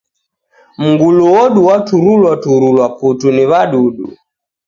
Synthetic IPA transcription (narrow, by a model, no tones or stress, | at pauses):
m̩ɡuluwɔɗuwatuɾulwatuɾulwaputuniβaɗuɗṵ